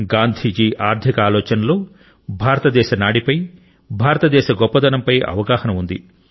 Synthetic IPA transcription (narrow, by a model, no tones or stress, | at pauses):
ɡaːnd̪ʱiːd͡ʒiːʔaːɾd̪ʰʱikɐaːlɔːt͡ʃɐnɐlo̞ː | bʱaːɾɐt̪ɐd̪ɛːʃɐnaːɽipɐj | bʱaːɾɐt̪ɐd̪ɛːʃɐɡɔpːɐd̪ɐnɐmpɐjɐ̰ʋɐɡaːhɐnɐund̪ḭ